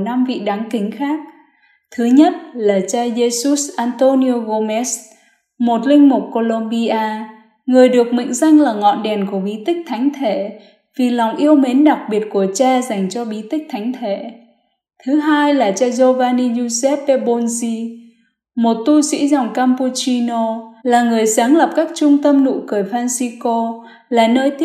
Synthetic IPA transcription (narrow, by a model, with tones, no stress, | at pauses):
na˧mvḭ˧˨ɗaː˨˦ŋkï˨˦ŋ̟xaː˦˥k̚ | t̪ʰɨ˨˦ɲə˦˥t̚laː˨˩t͡ɕaː˧ze˧su˦˥sʔaː˧nt̪o˧ni˧o˧ɣo˧mɛ˦˥s | mo˨˩t̚lï˧ŋ̟mu˨˩k͡p̚ko˧lo˧mɓi˧ʔaː˧ | ŋɨ˨˩əjɗɨ˨˩ək̚mḭ˧˨ŋ̟za˧jŋ̟laː˨˩ŋɔ̰˧˨nɗɛ˨˩nku˧˩əɓi˨˦t̪ï˦˥k̟̚t̪ʰa˨˦jŋ̟t̪ʰḛ˧˩˨ | vi˨˩la˨˩wŋ͡mʔi˧əwme˨˦nɗa˨˩k̚ɓi˨˩ət̚ku˧˩ət͡ɕaː˧za˨˩jŋ̟t͡ɕɔ˧ɓi˨˦t̪ï˦˥k̟̚t̪ʰa˨˦ŋ̟t̪ʰe˧˩ | t̪ʰɨ˨˦ɦaː˧jlaː˨˩t͡ɕaː˧zo˧vaː˧ni˧ɲu˧sɛ˦˥pːe˧ɓo˧nzi˧ | mo˨˩t̚t̪u˧sḭ˧˥zɔ˨˩wŋ͡mkaː˧mpu˧t͡ɕi˧no˧laː˨˩ŋɨ˨˩əjsaː˨˦ŋlə˨˩p̚kaː˦˥k̚t͡ɕʊ˧ŋ͡mt̪ə˧mnṵ˧˥kɨ˧˩əjfaː˧nsi˧ko˧ | laː˨˩nəː˧jt̪